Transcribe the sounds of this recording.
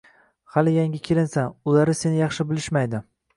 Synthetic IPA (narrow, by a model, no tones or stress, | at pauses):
halɪjaŋʲɪkʲʰelɪnsanʊlaɾɪsenɪjɑχʃɪbɪlɪʃmajd̪ɪ